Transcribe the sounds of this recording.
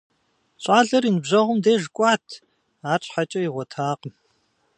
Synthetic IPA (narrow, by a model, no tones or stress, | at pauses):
ɕʷʼaːɮɐrinɨbʑɐʁʷʊmdeːʒkʷʼaːtʰ | aːt͡ʃʼħat͡ʃʼɐiʁʷɔtʰaːqəm